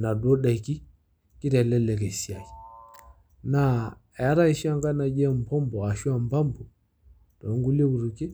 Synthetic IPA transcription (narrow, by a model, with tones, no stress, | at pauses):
na˨dwɔ˦ɗa˨i˨ki˦ | ki˦ɾa˨lɛ˦lɛ˨kɛ˨si˨a˨i˨ | na˦˨ | ɛ˨a˦ɾa˦i˦ʃi˦a˦ŋɡa˦na˨d͡ʒɛ˦˨m̩˨pɔ˦mbɔ˨a˨ʃu˦a˨mba˦mbɔ˨ | d̥ɔ˨˦ŋɡu˦le˦ku˨ɾu˨ki˦